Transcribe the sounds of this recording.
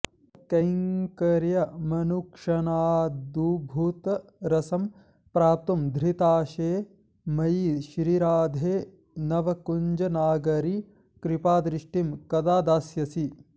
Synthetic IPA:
kɐjŋkɐɾjɐmɐnukʂɐnaːd̪ubʱuːt̪ɐɾɐsɐm | pɾaːt̪umd̪ʱɾit̪aːʃeː | mɐjiʃɾiɾaːd̪ʱeː | nɐʋɐkuɲd͡ʒɐnaːɡɐɾi | kɾipaːd̪ɾɪʂʈimkɐd̪aːd̪aːsjɐsi

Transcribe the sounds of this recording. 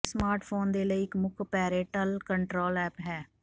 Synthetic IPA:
smaːɾʈpʰoːnd̪eːləiːɪkmʊkʰpɛːɾeːʈəlkəɳʈɾoːlɛːpɦɛː

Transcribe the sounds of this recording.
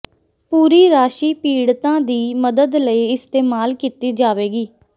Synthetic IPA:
puːɾiːɾaːʃiːpiːɽt̪ãːd̪iːməd̪əd̪ləiɪst̪eːmaːlkit̪iːd͡ʒaːʋeːɡiː

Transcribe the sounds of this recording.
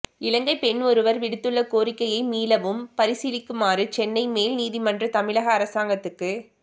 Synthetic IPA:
ɪlɐŋɡɐɪpɛɳɔɾɯʋɐɾʋɪɽɯt̪ːɯɭːɐkoːɾɪkːɐjɐɪmiːlɐʋɯmpɐɾɪsɪlɪkːɯmaːɾɯt͡ʃɛnːɐɪmeːlniːðimɐndrɯt̪ɐmɪɭɐɣɐːɾɐsaːŋɡɐt̪ːɯkːɯ

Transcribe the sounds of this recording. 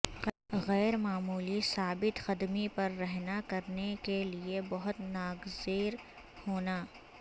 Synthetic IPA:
ɣɛːɾmaːmuːlisaːbɪt̪xɐd̪mipɐɾːɛɦnakɐɾnekeliebɐɦʊt̪naːɡzeːɾ | hoːnaː

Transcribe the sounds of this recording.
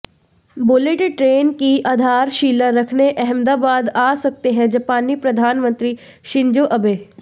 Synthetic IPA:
boleʈʈɾeːnkiʔaːd̪ʱaːɾʃiːləɾɐkʰneʔɛɦɛ̃md̪aːbaːd̪aːsɐk̚t̪eɦɛ̃d͡ʒɐpaːnːipɾɐd̪ʱaːnmə̃nt̪ɾi | ʃɪ̃ɲd͡ʒoːʔɐbeː

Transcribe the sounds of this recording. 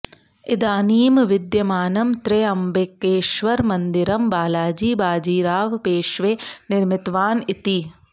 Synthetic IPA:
id̪aːniːmʋid̪jɐmaːnɐmt̪ɾeɐmbekːeːʃʋɐɾmɐnd̪iɾɐmbaːlaːd͡ʒiːbaːd͡ʒiːɾaːʋpeːʃʋeːnɪɾmit̪ʋaːnit̪i

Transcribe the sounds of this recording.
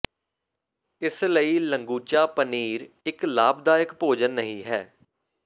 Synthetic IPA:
ɪsləiːləŋɡuːt͡ʃaːpəniːɾ | ɪklaːbd̪aːɪkpoːd͡ʒənːəɦĩːɦɛ̰ː

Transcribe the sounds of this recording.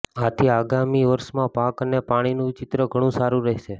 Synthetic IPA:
at̪ʰiaɡamiʋəɾʃmãpakənepaɽ̃inũt͡ʃɪt̪ɾəɡʱəɽ̃ũsaɾũɾɛɦʃe

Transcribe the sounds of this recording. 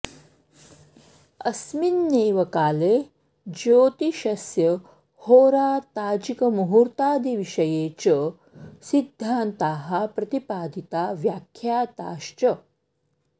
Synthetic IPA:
ɐsminːeːʋɐkaːleː | d͡ʒoːt̪iʃɐsjɐ | hoːɾaːt̪aːd͡ʒikɐmuɦuɾt̪aːd̪iʋiʃɐjeːt͡ʃə | sid̪ʱːaːnt̪aːɦɐpɾɐt̪ipaːd̪ʱit̪aːʋjaːkʰjaːt̪aːʃt͡ʃɐ

